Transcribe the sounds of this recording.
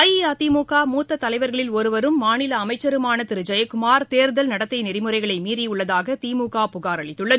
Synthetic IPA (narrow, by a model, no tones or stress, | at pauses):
ɐjat̪iːmuːkaːmuːt̪ːɐt̪ːɐlɐɪʋɐɾɣɐɭɪlɔɾɯʋɐɾɯmːaːnɪlɐːmɐɪt͡ʃːɐɾɯmaːnɐt̪ɪɾɯd͡ʒɐjɐkʊmaːɾt̪eːɾðɐlnɐɽɐt̪ːɐɪnɪrɪmɯɾɐɪɣɐɭɐɪmiːɾiʊɭːɐðaːɣɐt̪iːmuːkaːpʊɣaːɾɐɭɪt̪ːɯɭːɐð